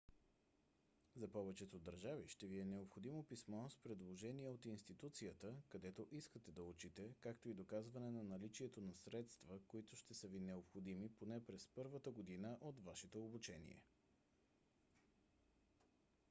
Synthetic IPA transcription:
zɐpɔvɛt͡ʃɛt̪od̪ɐɾʒaviʃt̪ɛviɛnɛopxod̪imopismɔspɾɛd̪lˠoʒɛniɛot̪inst̪it̪ut̪sijət̪əkɐd̪ɛt̪oʔiskət̪ɛd̪ɐut͡ʃit̪ɛkakt̪oid̪okazvɐnɛnɐnɐlit͡ʃiɛt̪onɐsɾɛt̪st̪vəkoit̪ʊʃt̪ɛsəvinɛopxod̪imiponɛpɾɛspɤɾvət̪əɡod̪inəʔot̪vaʃɛt̪oobut͡ʃɛnḭɛ̰

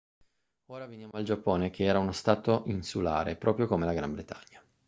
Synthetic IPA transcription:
oːɾavenjaːmoald͡ʒapːoːnek̟ʰeɛːɾaunost̪aːt̪oʔinsula̰ːɾepɾɔːpɾjokomelaɡɾambɾet̪ʰaɲːa

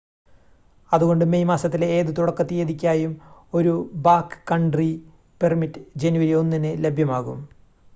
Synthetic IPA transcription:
ɐðuɣo̞ɳɖɨmejmaːsɐt̪̬ːileːðɨt̪uɽɐkːɐt̪ːijeðikʲːaːjumo̞ɾubaːkːɨ̥kɐɳɖri | permiʈːd͡ʑenuwɐɾio̞nːinɨle̞bʱjɐmaːɣum

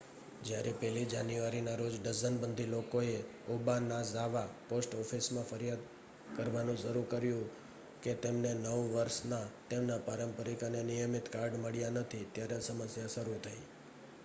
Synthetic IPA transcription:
d͡ʒjaɾʔepɛlid͡ʒanjuaɾinaɾod͡ʒɖəzənbənd̪ʱilokoe | ubanazaʋaposʈɔfʰismãfəɾjad̪ | kəɾʋanũd͡ʒəɾuɾkəɾjũ | ket̪emnenəʋʋəɾsnat̪emnapaɾəmpəɾikanenijəmit̪kaɾɖməɭjanət̪ʰit̪jaɾesəməsjaʃəɾut̪ʰəi

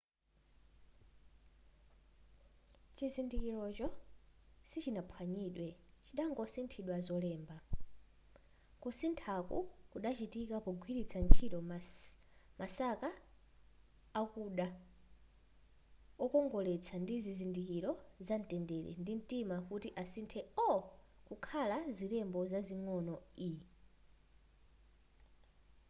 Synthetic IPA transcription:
t͡ʃizindikiɾɔt͡ʃɔ | sit͡ʃinapʰwaɲiːɗwɛt͡ʃiɗaŋɡɔsintʰiɗwazɔlɛːmba | kusintʰakṵkuɗat͡ʃitikapɔɡʱwiɾit͡sʰant͡ʃʰitɔ | masaka | kuɗa | ɔkɔŋɡɔlɛt͡sʰandizizindikiɾɔzantɛndɛɾɛ̰ndin̩timakutiʔasintʰɛɔ | kukʰalaziɾɛmbɔzaziŋɔnɔi

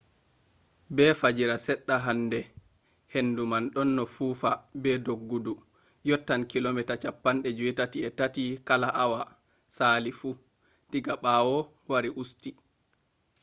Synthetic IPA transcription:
bɛfad͡ʒiɾasɛɗːaɦandɛ | henːdumanɗɔnːɔfuːfabɛdoɡːudu | jɔtːankilomitat͡ʃapːanɗɛd͡ʒuwitatiɛtatikalaʔawa | saːlifu | tiɡaɓawɔ | waɾiʔusti

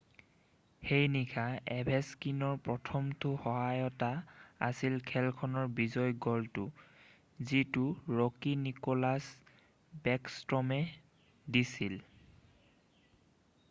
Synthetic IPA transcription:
hejnikʰaɛbʱɛskinɔɹpɹɔtʰɔmtʊhɔɦajɔtaasilkʰɛlkʰɔnɔɹbizɔjɡɔltʊ | zitʊɹokinikɔlas | bɛkstɹɔmɛ | disil

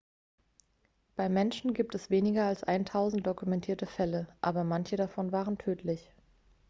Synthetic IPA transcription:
b̥aɪmɛnʃn̩ɡiːp̚tɛsv̥eːnɪɡɐalsʔa̰ɪntʰaʊzn̩t̚d̥okumɛntʰiːɐtəfɛləʔaːbɐmançədafɔnvaːʁəntʰøːtʰlɪç

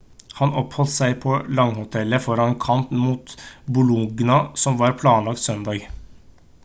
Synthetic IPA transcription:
hɑnɔphɔlt̪sæɪpʰɔlɑŋːhʊt̪ʰɛləfɔɾɑnnkʰɑnt̪muːt̪bʊluɡnɑsɔmʋɑːɾpʰlɑːnlɑk̚t̪sœnd̪ɑːɡ

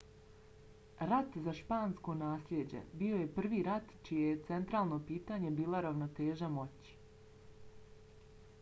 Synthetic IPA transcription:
ɾat̪zaʃpaːnsko̞naːsʎʲed͡ʑe̞̰bio̞je̞pr̩ʋiɾat̪t͡ʃijejet̪se̞nt̪ɾaːlˠno̞piːt̪aɲe̞biːlˠoɾaʋnot̪eːʒamo̞t͡ɕi̥

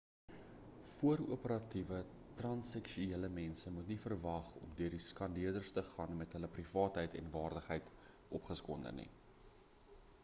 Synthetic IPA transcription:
fuəruəpəɾɐtivə | trɐnsɛkʃueːləmɛnsəmutnifərvɐχɔ̰mdøərdiskɐndiərdərstəχɑːnmɛtɦələprifɑːtɦəjtʰɛ̰nvɑːrdəχɦəjt | ʔɔpχəskɔndə̰nḭ

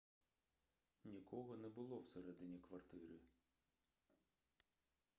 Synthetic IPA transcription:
nʲikʰɔɦɔnɛbʊlˠɔwseɾɛd̪ɪnʲikʋɐrt̪ɪɾɪ

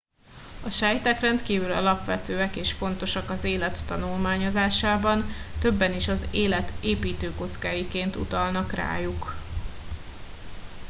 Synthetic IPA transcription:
ɒʃaːjt̪akrɛnt̪kiːvylɒ̰lɒpʋɛt̪øːɛkeːʃfo̞n̪t̪o̞ʃɒkɒzeːlɛt̪ːɒnulmaːɲo̞zaːʃaːbɒnt̪ø̞bːɛniʃɒzeːlɛt̪ʰeːpiːt̪øːko̞t̪skaːjikeːnt̪ṵt̪ɒlnɒkra̰ːjuk

